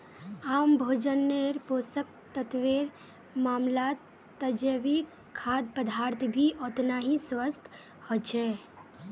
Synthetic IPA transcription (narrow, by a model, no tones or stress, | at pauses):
aːmbʱoːd͡ʒənːeɾpoːsək̚t̪ət̪ʋiɾ | maːmlaːt̪ː | əd͡ʒəʋi | kʰːaːd̪̚pəd̪ʱaːɾt̪ʰbʱiʔɔt̪naɦĩsʋəst̪ | hot͡ʃʰɛ